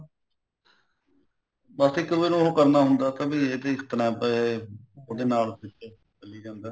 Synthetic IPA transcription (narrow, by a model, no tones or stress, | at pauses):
baːst̪eːkəʋeːnũɦoːkəɾnaːɦʊnd̪aːt̪ãːbiːeːt̪eːɪkt̪ənɛ̃ːpəeoːd̪eːnaːlpɪt͡ʃː | t͡ʃəliːd͡ʒãːnd̪ɛː